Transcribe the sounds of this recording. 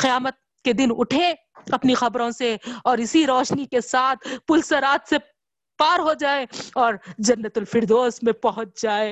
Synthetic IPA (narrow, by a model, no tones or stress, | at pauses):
qɪjaːmət̪̚ | ked̪ɪnʊʈʰẽ | ɐpnixɐbɾõseɔːɾɪsiɾɔːʃnikesaːt̪ʰpʊlsəɾaːt̪se | paːɾɦod͡ʒaːeɔːɾd͡ʒɐnːət̪ʊlfʰɪɾd̪oːsmẽpɐɦʊt͡ʃ̚d͡ʒaːe